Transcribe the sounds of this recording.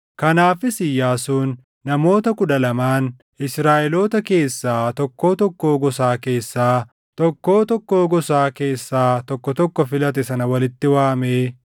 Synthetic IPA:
kɐnaːfɪsɪjːaːsuːnː | ɐmo̞ːt̪ɐkʊᶑɐlɐmaːn | ɪsɾaːʔɛlo̞ːt̪ɐke̞ːsːaːt̪ɔkːo̞ːt̪ɔkːoːɡɔsaːke̞ːsːaː | t̪ɔkːo̞ːt̪ɔkːoːɡɔsaːke̞ːsːaːt̪ɔkːɔt̪ɔkːɔfɪlɐt̪ɛsɐnɐwɐlɪt̪ːɪwaːmeː

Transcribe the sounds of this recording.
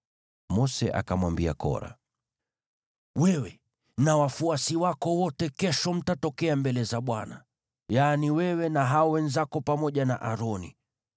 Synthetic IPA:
mɔsɛʔa̰kamwambia̰kɔ̰ɾa̰ | wɛwɛ | nawafuasiwakɔwɔtɛkɛʃɔm̩tatɔkɛambɛlɛzaɓwana | janiwɛwɛnaɦaɔwɛnzakɔpamɔʄanaʔaɾɔnḭ

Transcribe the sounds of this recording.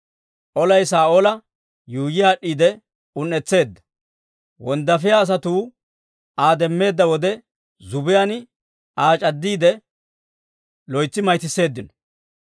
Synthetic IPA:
ʔɔlɐjsaːʔɔlɐ | juːjɪjaːɗːiːd̪ɛ | ʊnːɛt͡sːe̞ːd̪ːɐ | wɔnd̪ːɐfɪjaːs̬ɐt̪uː | aːd̪ɛmːe̞ːd̪ːɐwɔd̪ɛ | zʊbɪjanɪ | aːt͡ʃʼɐd̪ːiːd̪ɛ | lɔjt͡sːɪmɐjt̪ɪsːe̞ːd̪ːɪnɔ̥

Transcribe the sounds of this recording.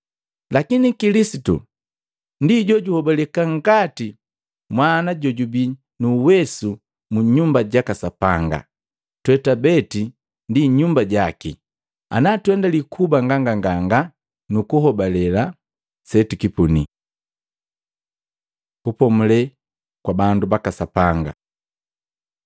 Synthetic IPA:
lakinikilisitṵ | ndiɟɔɟuhɔbalɛkaŋɡati | mwanaɟɔɟubi | nuːwɛsu | muɲumbaɟakasapa̰ŋɡa̰ | twɛtabɛti | ndiɲumbaɟaki | a̰natwɛndalikʰubaŋɡaŋɡaŋɡaŋɡa | nukuɦɔbalɛla | sɛtikipuni | kupɔmulɛ | kwabandubakasapaŋɡa̰

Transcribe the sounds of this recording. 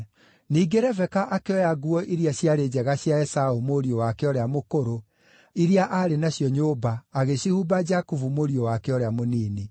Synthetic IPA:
niːɡeɾɛvɛkaʔakeɔjaɡuɔʔiɾjaɕjaɾed͡ʑɛɣaɕjaɛsaumoɾiowakeɔɾeamokoɾo | iɾiaʔaɾenaɕjɔɲoːbaːɣeɕihubad͡ʒakuvumoɾiowakeɔɾeamoniːni

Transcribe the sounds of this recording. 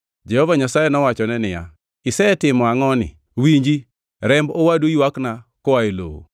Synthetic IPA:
d͡ʒɛhɔvaɲasajɛnɔwat͡ʃɔnɛnɪja̰ | ɪsɛtɪmɔaŋɔnɪ̰ | wiɲd͡ʒi | ɾɛmbowadoiwaknakɔwaelo̰o̰

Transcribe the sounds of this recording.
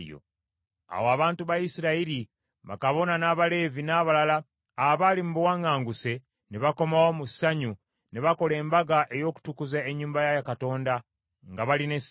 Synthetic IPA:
jo̰ | a̰woaβaːntuβajisiɾaiɾi | βa̰kaβo̞nanaːβale̞ːvinaβalalaː | βalimuβuwaŋɡaːŋɡuse̞ | neβako̞mawomusaɲu | neβako̞le̞ːmbaɡaʔe̞jo̞ːku̥tukuzaeɲːuːmbajajakato̞ːnda | ŋɡaβaline̞s

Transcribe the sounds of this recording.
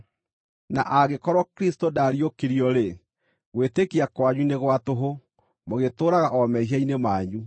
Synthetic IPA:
na̰ʔaɣekɔɾɔkɾistodaːɾiokeɾiɔɾe | ɣwetekiakwaɲuneɣwatoɦo | moɣetoːɾaɣaʔɔmɛɦiainemaːɲu

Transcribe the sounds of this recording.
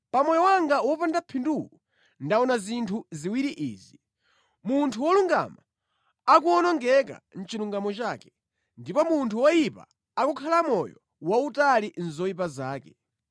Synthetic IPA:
pamɔjɔwaŋɡawɔpandapʰinduku | ndaɔnazintʰuziwiɾiʔḭːzi | muntʰuwɔluŋɡa̰ma | ak̬uɔnɔŋɡɛka̰n̩t͡ʃiluŋɡamɔt͡ʃaːkɛ | ndipɔmuntʰuwɔjipa̰ | akukʰalamɔjɔ | wautalin̩zɔjip̬azaːkɛ

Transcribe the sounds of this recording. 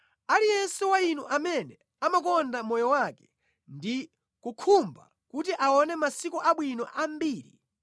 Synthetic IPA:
alijɛnsɛwainuʔamɛnɛ | amakɔndamɔjɔwakɛ̥ | ndi | kukʰumba̰ | kutiʔaɔnɛmasikuʔaɓwinɔ̰ʔambiːɾḭ

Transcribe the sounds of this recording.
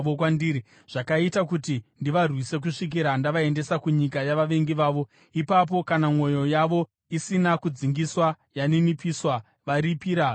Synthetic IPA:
okwandiːi | ʐ̥akaitakutindiʋarwise̞k̬uʂik̬iɾandaʋae̞nde̞sakuɲikajaʋaʋe̞ŋɡiʋaːʋo̞ | ipap̬o̞kanamwo̞jo̞jaʋo̞ | isinakud͡ziŋɡiswa | janinipiswa | ʋaɾipiːɾa

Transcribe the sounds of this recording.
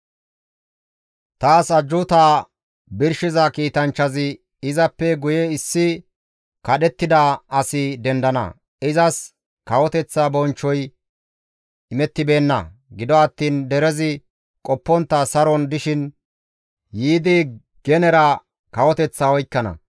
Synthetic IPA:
t̪aːsɐd͡ʒːʊt̪aː | bɪɾʃɪzɐkiːt̪ɐnt͡ʃːɐzɪ | ɪzɐpːɛɡʊjɛɪsːɪ | kɐɗɛt̪ːɪd̪ɐɐsɪd̪ɛnd̪ɐnɐ̰ | ɪzɐs | kɐwɔt̪ɛt͡sːabɔnt͡ʃːɔj | ɪmɛt̪ːɪbe̞ːnːɐ̰ɡɪd̪ɔɐt̪ːiːnd̪ɛɾɛzɪ | kʼɔpːɔnt̪ːɐsɐɾɔnd̪ɪʃɪn | jiːd̪ɪ | ɡ̥ɛnɛɾɐ | kɐwɔt̪ɛt͡sːawɔjkːɐnɐ̰

